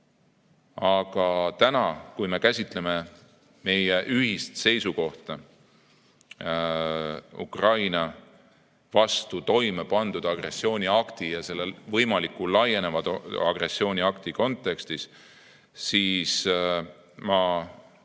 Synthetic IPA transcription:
ɑɡ̥ɑt̪ænɑkujme̞kæsʲit̪ˑle̞me̞ | me̞jeʔyhist̪se̞jsuko̞ht̪ɑ | ṵkrɑjnɑ | vɑst̪ut̪o̞jmepɑnd̪̥ud̪̥ɑɡ̥re̞sːio̞ːnʲiɑkt̪ijɑse̞lːevɤ̞jmɑlikːˑulːɑje̞ne̞vɑd̪ɑ̰ɡ̥re̞sːio̞ːnʲiɑkt̪iko̞nt̪ːˑe̞kst̪is | siːs | mɑ

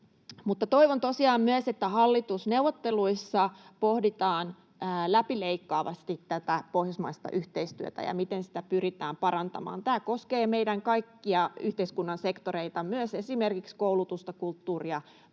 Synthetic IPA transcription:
mut̪ːɑt̪oiʋont̪osiɑːmmyøset̪ːæhɑlːit̪usnewʋot̪ːeluisːɑpohdit̪ɑːnː | læpileikːɑːʋɑ̰st̪itt̪æt̪æpohjɑsmɑist̪ɑ̰ʔyht̪eist̪yø̰t̪æ̰jɑ̰mit̪ensi̥t̪æpyrit̪æːmpɑɾɑnt̪ɑ̰mɑ̰ːnt̪æːkoskeːmeidæŋkɑikːiɑyht̪eiskunːɑnsekt̪oɾeit̪ɑmyøsesimerkikskoulut̪ust̪ɑkult̪ːuːriɑ

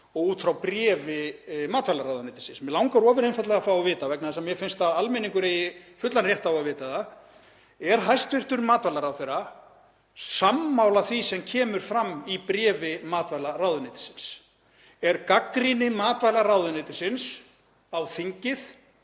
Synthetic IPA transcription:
ɔɣuːt̪fɾawpɾjɛːvɪmaːt̪vajlaɾaːwðʏnɪːt̪ɪ̥sɪnsmjɛlawŋkaɾɔːvɪɾejnfat̪lɛɣafawavɪːt̪avɛknaðsɛmjɛfɪnst̪avalmɪniŋkʏɾejɪfʏt̪lanrjɛht̪awavɪːt̪aða | ɛɾ̥ɦajst̪vɪr̥t̪ʏɾmaːt̪vajlaɾawθejɾa | samːawlaθvisɛmcʰɛːmʏɾ̥fɾamːipɾjɛːvɪmaːt̪vajlaɾawðʏnɪːt̪ɪ̥sɪns | ɛɾkakɾinɪmaːt̪vajlaɾrawðʏnɪːt̪ɪsɪns | awθiɲcɪθ

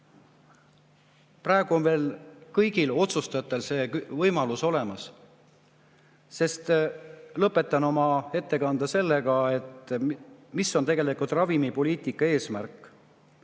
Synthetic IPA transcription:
prɑeɡ̥uo̞nve̞ːlkɤjɡ̥ilo̞t̪sust̪ɑɑt̪ːˑelse̞ːvɤjmɑluso̞le̞mɑs | se̞st̪lɤpːˑe̞t̪ːˑɑno̞mɑe̞t̪ːe̞kɑnd̪ɑse̞lːeɡɑe̞t̪ | misːo̞nt̪e̞ɡe̞likult̪ˑrɑvimipo̞liːt̪ˑikːˑɑe̞ːsmærkːˑ

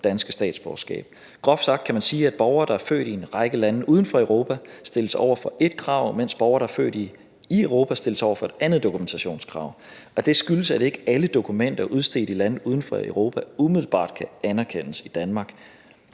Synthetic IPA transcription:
d̥ænsɡ̥əsd̥ɛ̰ːd̥sb̥ɒʊsɡ̥ɛ̰ːb̥̚ | ɡ̥ʁɒ̽fsɑ̈ɡ̥̚d̥kʰæmænsiːæd̥̚b̥ɒʊɐːd̥ɑæɐfø̰ːɾ̥ie̝nʁɑ̈ɪɡ̥əlæn̩ʔuːð̞ˠn̩fɒ̽eʊʁo̝ːpʰæsd̥e̝ləsɒ̰ʊ̰ɐfɒ̽ʔe̝d̥̚kʰʁɑ̈ʊ̰men̰sb̥ɒʊɐɾ̥ɑæfø̰ːd̥i | ieʊʁo̝ːpʰæsd̥e̝ləsɒ̰ʊ̰ɐfɒ̽e̝d̥ænð̩ˠd̥o̝kʰument͡sʰæɕo̝̰ːnskʰʁɑ̈ʊ̰ɒ̽d̥e̝sɡ̥yləsæd̥e̝ɡ̥əæləd̥o̝kʰumen̰d̥ɐʔuð̞ˠsd̥e̝̰ːd̥ilæn̩uːð̞ˠn̩fɒ̽əʊʁo̝ːpʰæumiðˠl̩b̥ɑ̰̈ːd̥̚kʰæænæɐkʰen̰əsid̥ænmɑ̈ːɡ̥

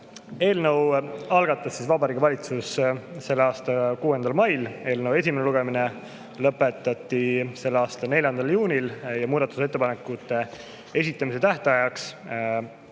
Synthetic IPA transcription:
e̞ːlnəwɑlɡ̥ɑt̪ːˑɑsːisvɑbɑɾiːɡ̥ɑvɑlʲit̪susse̞lːeɑːst̪ɑkuːe̞nd̪̥ɑlmɑjle̞ːlnəwe̞sʲimeneluɡe̞mine | lɤpːˑe̞t̪ːˑɑt̪ːise̞lːeɑːst̪ɑne̞lʲjɑnd̪̥ɑljuːnʲiljɑmuːd̪̥ɑt̪ːˑu̥se̞t̪ːe̞pɑnekut̪ːˑe̞ | e̞sit̪ˑːɑmis̬e̞t̪æht̪eɑjɑks

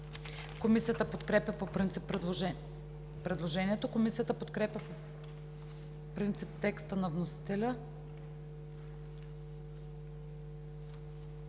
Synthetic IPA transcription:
komisijət̪əpot̪kɾɛpʲjɐpopɾint̪si | pɾɛd̪lˠoʒɛniɛt̪okomisijət̪əpot̪kɾɛpjʲɐpo | pɾint̪sipt̪ɛkst̪ənɐvnosi̥t̪ɛlʲə

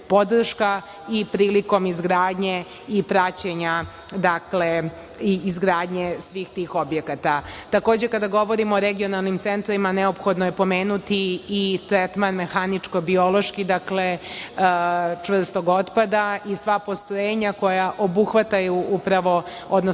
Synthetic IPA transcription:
po̞d̪r̩ʃka | ipɾiːliko̞mizɡɾaːd̪ɲe | ipɾat͡ɕeɲa | d̪akle | izɡɾaːd̪ɲesʋiːxt̪iːxo̞bjekat̪at̪ako̞ːd͡ʑekad̪aɡo̞ʋo̞ɾimoːɾeɡio̞nalˠnimt̪sent̪ɾimaneopxod̪nojepo̞meːnut̪iːt̪ɾet̪manme̞xanit͡ʂkobio̞lo̞ʃkid̪akle | t͡ʂʋr̩st̪oɡo̞t̪pad̪aisʋapo̞st̪ɾojeːɲako̞jaʔobuxʋat̪ajuʔupɾaʋo̞ | od̪no

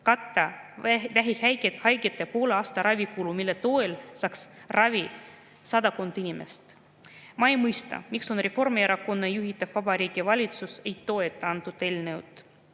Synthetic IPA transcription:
kɑt̪ːɑvæɦihæjhɑjɡet̪ːˑepo̞ːleɑːst̪ɑɾɑvʲikulumilːet̪o̞elsɑksrɑvi | sɑd̪ɑkond̪inʲimḛst̪ | mɑejmɤjst̪ɑ̰mikso̞nrefo̞rmieɾɑko̞nːejuɦit̪ːˑɑv̥vɑbɑɾiːɡ̥ivɑlʲit̪suse̞jt̪ːo̞et̪ːˑɑnt̪ːˑud̪e̞lʲnew̰t̪ːˑ

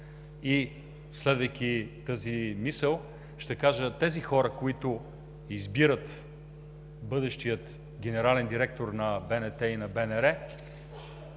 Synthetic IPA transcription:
i | slɛd̪vəjkʲit̪əzimisəlˠ | ʃt̪ɛkaʒət̪ɛzixɔɾəkoit̪ʊ | izbiɾət̪ | bɤd̪ɛʃt̪ijət̪ | ɡ̟ɛnɛɾalɛnd̪iɾɛk̚t̪oɾnɐbɛnɛt̪ɛinɐbɛnɛɾɛ

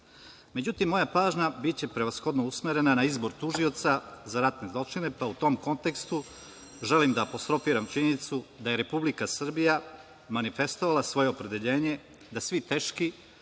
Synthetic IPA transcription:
me̞d͡ʑut̪imːo̞japaːʒɲabit͡ɕe̞pɾe̞ʋasxo̞d̪nousmeɾe̞nanaizbo̞ɾt̪uʒio̞t̪sazaɾat̪ne̞zlˠo̞t͡ʃine̞paut̪o̞mko̞nt̪e̞kst̪u | ʒe̞limd̪aːpo̞st̪ɾo̞fiːɾamt͡ʃinit̪sud̪aje̞ɾe̞publikasr̩bija | manife̞st̪o̞ʋalˠasʋo̞je̞opɾe̞d̪eʎe̞ːɲe̞ | d̪asʋit̪e̞ːʃki

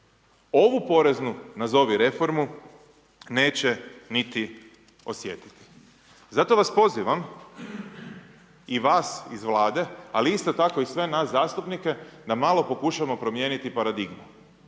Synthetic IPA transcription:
o̞ʋupo̞ɾe̞znunazo̞ʋiɾe̞fo̞ɾmu | ne̞ːt͡ɕenit̪i | o̞sje̞t̪i̥t̪i̥ | zat̪o̞ʋaspo̞ziʋam | iʋaːsizʋlˠaːd̪e̞aliist̪o̞t̪ako̞isʋe̞naszaːst̪upnike̞d̪amalˠo̞po̞kuʃaʋamo̞pɾo̞mje̞ːnit̪ipaɾad̪iɡmu

